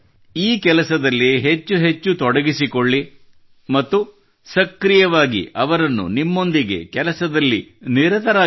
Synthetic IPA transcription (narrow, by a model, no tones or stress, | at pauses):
iːkɛlɐsɐd̪ɐlːiɦe̞t͡ʃːuɦe̞t͡ʃːut̪ɔɽɐɡisikoɭːi | mɐt̪ːu | sɐkɾijɐʋaːɡḭʔɐʋɐɾɐnːṵnimːo̞nd̪iɡe̞̰kɛlɐsɐd̪ɐlːiniɾɐt̪ɐɾaː